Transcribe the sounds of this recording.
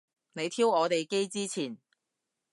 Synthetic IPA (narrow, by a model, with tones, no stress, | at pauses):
ne˨˧jt̪ʰiː˥wɔː˨˧t̪e˨jke˥jt͡siː˥t͡sʰiː˨˩n